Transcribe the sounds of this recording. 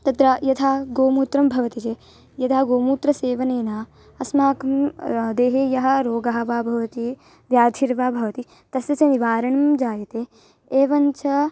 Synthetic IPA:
t̪ɐt̪ɾɐjɐt̪ʰaːɡoːmuːt̪ɾɐmbʱɐʋɐt̪it͡ʃe | jɐt̪ʰaːɡoːmuːt̪ɾɐseːʋɐneːnaː | ɐsmaːkʰɐmd̪eːɦeːjɐɦɐ̆ɾoːɡɐɦɐ̆ʋaːbʱɐʋɐt̪i | d̪jaːt̪ʰiɾʋaːbʱɐʋɐt̪i | t̪ɐsjɐt͡ʃʰɐniʋaːɾɐɳɐmd͡ʒaːjɐt̪eː | eːʋɐnt͡ʃʰɐ

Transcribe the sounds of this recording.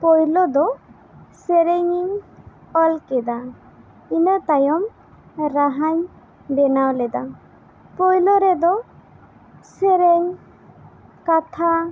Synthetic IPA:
pɔjlɔd̪ɔ | sɛɾɛɲiɲ | ɔlkɛd̪a | inət̪ajɔm | ɾaɦaɲ | bɛnawlɛd̪a | pɔjlɔɾɛd̪ɔ | sɛɾɛɲ | kat̪ʰa

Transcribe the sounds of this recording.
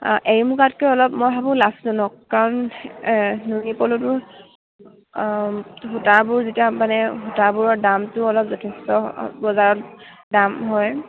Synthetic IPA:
ʔeɹimukatkɔjɔlɔpmɔjbʱabʊ̃laszɔnɔkkaɹɔn | nunipɔlutʊ | ɦutaɹbuɹzetijamanɛɦutaɹbuɹɔɹdamtʊɔlɔp̚zɔtʰestɔbɔzaɹɔt | damɦɔj

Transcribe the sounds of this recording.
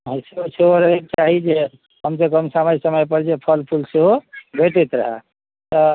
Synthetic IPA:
ɦə̃jseot͡ʃʰeoɾəek̚t͡ʃaɦid͡ʒe | ɦəmsekəmsaməd͡ʒsəməjpəɾd͡ʒepʰəlpʰulseɦobʱeʈet̪ɾəɦə̰ | t̪ɔ

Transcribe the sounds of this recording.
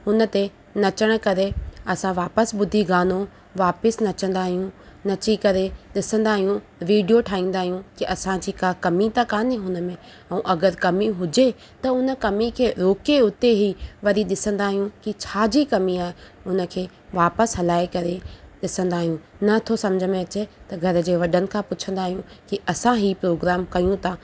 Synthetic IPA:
ɦʊnə̆t̪e | nɐt͡ɕəɽ̃kɐɾeɐsãʋaːpəsɓʊd̪ʱiɡaːno | ʋaːpəsnɐt͡ɕə̃nd̪aːɦijũnɐt͡ɕikɐɾeɗɪsə̃nd̪aːɦijũ | ʋiːɖijoʈʰaːĩːnd̪aːɦijũkiʔɐsãd͡ʑiːkakɐmit̪ɐkaːnĩɦʊnə̆mẽ | ɐ̃ũʔɐɡəɾkɐmiɦʊd͡ʑe | t̪ɐʊnə̆kɐmikʰeːɾoːkeʊt̪eɦiʋɐɾiɗɪsə̃nd̪aːɦijũkit͡ɕʰaːd͡ʑiːkɐmiaːɦe | ʊnə̆kʰeː | ʋaːpəsɦɐlaːekɐɾeɗɪsə̃n̆d̪aːɦijũ | nɐt̪ʰosɐ̃md͡ʑʱəmẽɐt͡ɕet̪ɐɡʱɐɾ̆d͡ʑeːʋɐɗənɪ̆kʰãːpʊt͡ɕʰə̃nd̪aːɦijũ | kiɐsãɦiːpɾoːɡɾaːmkɐijũt̪ʰãː

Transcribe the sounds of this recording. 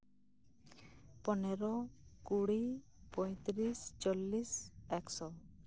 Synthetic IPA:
pɔnɛɾɔkuɽibɔjt̪ɾist͡ʃɔlːisɛksɔ

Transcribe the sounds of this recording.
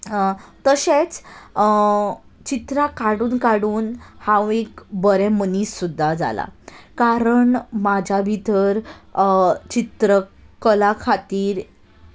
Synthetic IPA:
t̪əɕet͡s | t͡ɕit̪ɾakaɽuːnkaɽuːnhãwekbəɾɛ̃məniːsːud̪ʱːad͡za̰la̰kaɾəɳmad͡ʑʱabʱit̪əɾ | t͡ɕit̪ɾəkəlakʰat̪iːɾ

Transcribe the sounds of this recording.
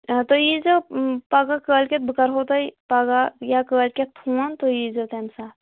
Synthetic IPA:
t̪ojid͡ʒəpaɡakəːlkʲet̪̚bɨkɐɾɦoːt̪əipaɡajakəːlkʲet̪ʰũːənt̪ojid͡ʒəːt̪ɛːmsaː

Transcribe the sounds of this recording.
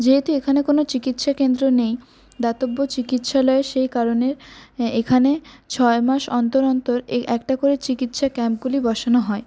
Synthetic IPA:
d͡ʑeɦet̪uekʰanekonot͡ɕikit̪ʃakend̪ɾonej | d̪at̪obːot͡ɕikit̪ʃalɔeʃejkaɾoneɾekʰanet͡ɕʰɔemaʃɔnt̪oɾɔnt̪oɾɛkʈakoɾet͡ɕikit̪ʃakɛmp̚ɡulibɔʃanoɦɔe

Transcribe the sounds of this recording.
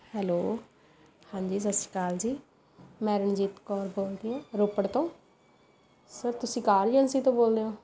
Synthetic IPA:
hɛːloː | hãːɲd͡ʒiːsəskaːld͡ʒiː | mɛ̃ːɾəɳd͡ʒiːt̪kɔːɾboːld̪iːɛ̃ːɾʊpəɽt̪õː | səɾt̪ʊsĩːkaːɾd͡ʒənsiːt̪õːboːld̪eːõː

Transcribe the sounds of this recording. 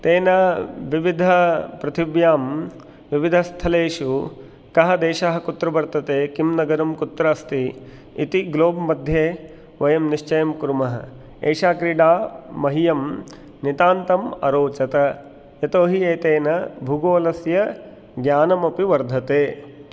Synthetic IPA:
t̪eːnɐʋiʋid̪ʱɐpɾɐt̪iʋjaːm | ʋiʋid̪ʱɐst̪ʰɐleːʃu | kɐɦɐ̆d̪eːʃaɦɐ̆kut̪ɾɐʋɐɾt̪ɐt̪eːkimnɐɡɐɾɐmkut̪ɾast̪i | ḭt̪iɡloːbmɐd̪ʱjeː | ʋɐjɐmniʃt͡ʃɐjɐmkuɾmɐɦɐ̰̆ | eːʃaːkɾiɖaːmɐɦijɐm | nit̪aːnt̪ɐmɐ̰ɾoːt͡ʃɐt̪ɐ | jɐt̪oːɦieːt̪eːnɐbʱuɡoːlɐsjɐ | ɡjaːnɐmɐpiʋɐɾd̪ʱɐt̪eː

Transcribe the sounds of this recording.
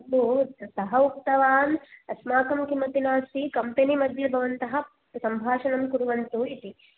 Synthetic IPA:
t̪ut̪ɐɦɐuk̚t̪ɐʋaːnɐsmaːkɐmkimɐt̪inaːsikɐmpɐnimɐd̪ʱjɐbʱɐʋɐnt̪ɐɦɐ̆ | sɐmbʱaːʃɐnɐmkuɾuʋɐnt̪uit̪i

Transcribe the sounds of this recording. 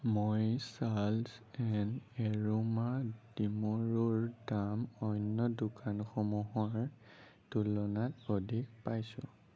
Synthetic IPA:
mojsalsɛnɛɹumad̥imɔɹuɹdamɔjnːɔdukʰanxɔmuɦaɹ | tulɔnatodʱik̚pajsʊ̰̃

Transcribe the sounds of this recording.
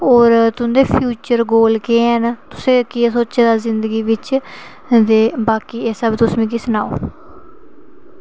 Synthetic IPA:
ɔːɾt̪ʊ̃nd̪eːpʰjuːt͡ʃəɾɡoːlkeɛnt̪ʊ̥sẽːkɪsoːt͡ʃeːd̪aːzɪnd̪əɡiːʋɪt͡ʃ | d̪eːbaːkiːeːsəbt̪ʊsmĩːkɪːsənaːo̰ː

